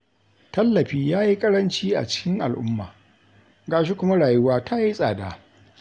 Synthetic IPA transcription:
tɐ˦lːɐ˨ɸiː˦jaː˦ji˦kʼɐ˦ɽɐ˦nt͡ʃiː˦ʔa̰˨t͡ʃɪ̥˦kʲɪ˦ŋʔa̰˨lʔʊ˦mːa̰ː˨ | ɡaː˨ʃi˦kʷʊ˦ma˦ɽaː˨jʊ˦waː˦tʰa˦ji˦sʼaː˨daː˦

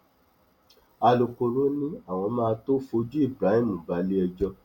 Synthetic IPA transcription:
a˧lo˨ko˨ɾõ˨˦nĩ˦a˦˨w̃ɔ̃˧mãː˦˧to˦fo˧d͡ʒu˦i˦˨bɾa˨˦i˦˨mũ˨ba˨˦le˦ɛ˧d͡ʒɔ˧

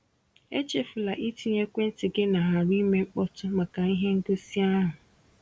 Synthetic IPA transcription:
e˦t͡ʃe˦fʊ˨la˨ʔi˦ti˦ɲe˦kʷe˦n̩˦tɪ˨ɡe˦na˨ɦa˨ɾi˦me˦ŋ͡m̩˦k͡pɔ˦tʊ˦ma˨ka˨i˦ɦe˦ŋ̩˦ɡo˦si˦a˦ɦʊ˨

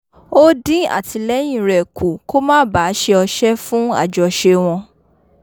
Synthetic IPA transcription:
o˦dĩ˦a̰˦˨tʰi˧lɛ˦j̃ĩ˦˨ɾɛ˨ku˨ko˦mãː˦ba˨˦ʃe˧ɔ˧ʃɛ˦fũ˦a̰˦˨d͡ʒɔ˨ʃe˧w̃ɔ̃˧

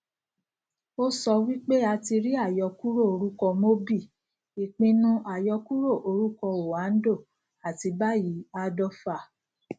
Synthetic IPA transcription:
o˦sɔ˧wi˦k͡pe˦a˧ti˧ɾi˦a˦˨jɔ˧ku˦ɾo˦˨o˧ɾu˦kɔ˧mo˦bi˦˨ | i˨k͡pĩ˧nũ˧ʔa˨jɔ˧ku˦ɾo˦˨ʔo˧ɾu˦kɔ˧o˨a˨˦n̩˦do˦˨ | a˨ti˧ba˦ji˨˦a˧dɔ˧fa˨

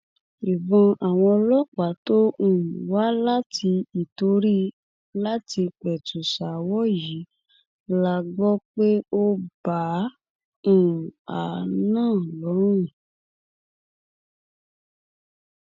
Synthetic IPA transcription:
e˨bɔ̃˧a˨w̃ɔ̃˧lɔ˦k͡pa˨˦to˦ũ˦˨wa˦la˦tʰi˧i˨to˨˦ɾi˦ | la˦ti˧k͡pɛ˨tu˨ʃa˨wɔ˦ji˨˦ | la˧ɡ͡bɔ˦k͡pe˦o˦bã˨˦˨ | a˨nãː˦˨lɔ˨˦ɾũ˦˨

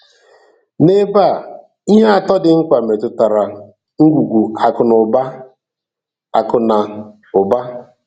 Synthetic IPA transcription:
ne˦ba˦˨ | i˦ɦe˦a˨tɔ˦dɪ˨ŋ̩˦kʷa˨me˨tʊ˦ta˨ɾa˨ | ŋ̩˦ɡʷu˨ɡʷu˨a˨kʊ˨nʊ˨ba˦ | a˨kʊ˨na˨ | ʊ˨ba˦

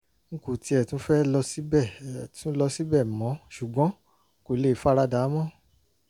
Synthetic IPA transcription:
ŋ̩˦ku˨ti˧ɛ˨tũ˦fɛ˦lɔ˧si˦bɛ˦˨tũ˦lɔ˧si˦bɛ˦˨mɔ̃˨˦ʃu˨ɡ͡bɔ̃˨˦ | ko˨le˦˨˦fa˦ɾa˧da˨˦mɔ̃˦

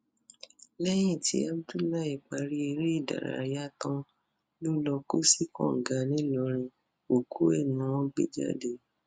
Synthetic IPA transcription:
lɛ˦j̃ĩ˦˨tʰi˧˦a˦bdu˦la˦i˨k͡pa˧ɾi˦e˧ɾe˦i˦˨da̰˨ɾa̰˨ɾa˦tɔ̃˦ | lu˦lɔ˧ko˦si˦kɔ̰̃˦˨ŋ̩˨ɡa˨˦nĩ˨˦lɔ˧˦ɾ̃ĩ˧ | o˨kʰu˦ɛ˦˨nũ˨˦wɔ̃˦ɡ͡bḛ˧d͡ʒa̰˦de˧

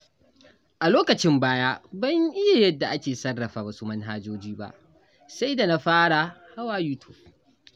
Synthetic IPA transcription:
ʔa˨loː˦kɐ˨t͡ʃɪ˦mbaː˦jaː˦bɐ˦ɲʔɪ˦ja˨jɐ˦dːa˨ʔa˦kʲeː˨sɐ˦rːɐ˨ɸaː˨wɐ˦su˦mɐ˦nɦaː˦d͡ʒoː˦d͡ʒiː˦ba̰˦ʔ | sa˦jda˨na˦ɸaː˦ɽa˨ha˦waː˦juː˦tʰu̥˨b

